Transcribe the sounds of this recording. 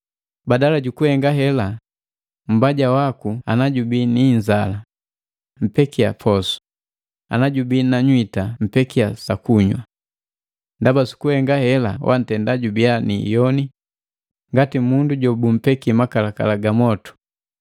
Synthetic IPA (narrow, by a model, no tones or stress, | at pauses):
badalaɟukuhɛŋɡaɦɛla | m̩baɟawakuanaɟubiniɲzala | m̩pɛkia̰pʰɔsu̥ | a̰naɟubinaɲwitam̩pɛkiasakuɲwa | ndabasu̥kuhɛŋɡahɛla̰wʔa̰n̩tɛndaɟubianḭjɔni | ŋɡatimunduɟɔbum̩pɛkimakalaka̰laɡamɔtu̥